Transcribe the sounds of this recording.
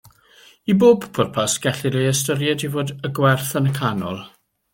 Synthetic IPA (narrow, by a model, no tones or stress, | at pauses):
iboːbkʰʊrpʰasɡ̥ɛɬɪɾeəstəɾjɛdivoːdəɡwɛrθənəkʰanɔ̰lˠ